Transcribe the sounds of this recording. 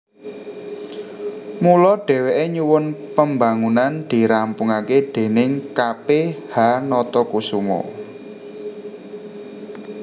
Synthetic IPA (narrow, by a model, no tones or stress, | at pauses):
mulɔɖ̥e̤weʔeɲuwʊnpəmba̤ŋunand̪̥i̤ɾampuŋakeɖ̥e̤nɪŋkapehanɔt̪ɔkusumɔ̰